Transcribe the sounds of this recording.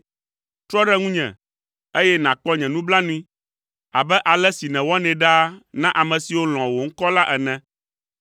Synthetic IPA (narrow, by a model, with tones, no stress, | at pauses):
t̪ɾɔ˦ɖɛ˦ŋũ˦ɲɛ̰̃˨ | e˦jɛ˦nã˨k͡pɔ˦ɲɛ̃˨nũ˦bla˦nũ˦ĩ˦ | a̰˨bɛ˦ʔa˨lɛ˦si˨nɛ̃˨wɔ˦nɛ̃˨ɖa˦nã˦ʔa˨mɛ̃˨si˨wo˦l̃ɔ̃˨wo˨ŋ̩˦kɔ˦la˦ʔɛ˨nɛ̃˨